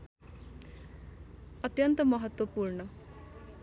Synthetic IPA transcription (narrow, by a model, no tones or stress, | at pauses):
ʌt̪jʌnt̪ʌmʌɦʌt̪wʌpurnʌ